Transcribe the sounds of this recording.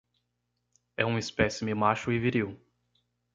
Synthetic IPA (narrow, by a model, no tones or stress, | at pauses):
ɛ̰ũispɛsɪmɪmaʃʊɪviɾiw